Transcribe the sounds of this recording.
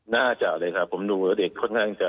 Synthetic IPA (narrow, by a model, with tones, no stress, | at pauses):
naː˥˩t͡ɕa˨˩k̚lɤː˧jkʰa˦˥˩pʰːo˩˦mduː˧a˨˦˥de˨˩kʰːo˥˩nkʰaː˥˩ŋt͡ɕa˨˩